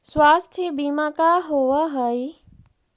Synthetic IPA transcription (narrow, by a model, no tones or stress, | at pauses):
swaːst̪ʰjəbimakaɦoʋəɦəi